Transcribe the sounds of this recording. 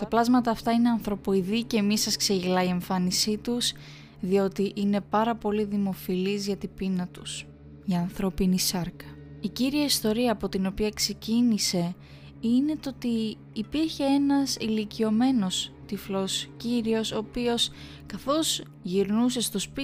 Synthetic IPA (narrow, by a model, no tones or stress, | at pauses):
t̪ɐplɐzmɐt̪ɐːft̪ɐine̞ɐnθɾo̞po̞iðice̞misɐskse̞ʝilɐie̞ɱfɐnisit̪us | ðio̞t̪iʔine̞pɐɾɐpo̞liðimo̞filizʝɐt̪ibinɐt̪u̥s | ʝɐːnθɾo̞pinisɐɾkɐ | iciɾiɐist̪o̞ɾiɐːpo̞t̪ino̞piɐkse̞cinise̞ | ine̞t̪oo̞t̪iː | piɾçe̞e̞nɐsilicio̞me̞no̞st̪iflo̞sciɾio̞so̞ːpio̞s | kɐθo̞z | ʝiɾnuse̞st̪o̞sp